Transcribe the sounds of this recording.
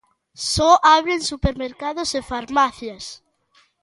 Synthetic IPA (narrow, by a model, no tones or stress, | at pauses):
sɔʔaβɾeŋsupeɾmeɾkaðʊzefaɾmaθjɐs